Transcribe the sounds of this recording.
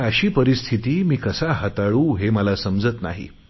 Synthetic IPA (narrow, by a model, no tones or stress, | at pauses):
əɕiːpəɾist̪ʰit̪iːmiːkəsaɦət̪aɭũːɦeməlasəmd͡zət̪na̰ɦḭ